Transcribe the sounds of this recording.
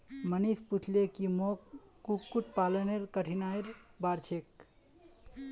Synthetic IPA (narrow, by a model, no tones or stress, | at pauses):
mənisput͡ʃʰlekimokːukːuʈ̚paləneɾkəʈʰinaiɾbaɾt͡ʃʰek̚